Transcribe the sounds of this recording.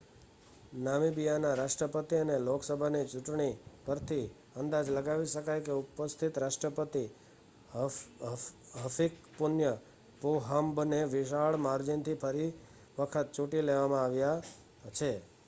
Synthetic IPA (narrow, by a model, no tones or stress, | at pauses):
namibijanaɾaʂʈɾəpət̪iənelokʰsəbʱanit͡ʃuʈɳ̃ipəɾt̪ʰi | ənd̪ad͡ʒləɡaʋiʃəkajkeupəst̪ʰit̪ɾaʂʈɾəpət̪i | ɦəfikpunjə | poɦambneʋɪʃaɭmaɾd͡ʒint̪ʰipʰəɾi | ʋəkʰət̪̚t͡ʃuʈileʋamãaʋja | t͡ʃʰe